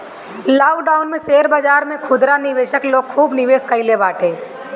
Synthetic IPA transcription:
laːɖaːʊnmẽseːɾbəd͡ʒaːɾmẽkʰʊd̪ɾanɪʋeːʃəkloːɡ̚kʰuːbnɪʋeːskəilebaːʈʰẽː

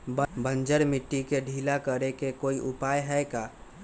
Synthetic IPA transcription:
bbə̃nd͡ʒəɾmɪʈːikeɖʱiːlakəɾekekoːiʔʊpaːjɦɛɛkaː

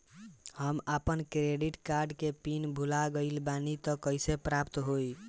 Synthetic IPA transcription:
həmapənkɾeɖiʈkaɾɖkepinbʱulaɡəɪlbanit̪əkəjsepɾapt̪ɦoj

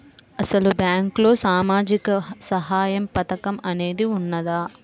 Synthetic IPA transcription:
ɐsɐlubjaːŋkloːsaːmaːd͡ʒikɐsɐɦaːjɐmpɐt̪ɐkɐmɐneːd̪iunːɐðaː

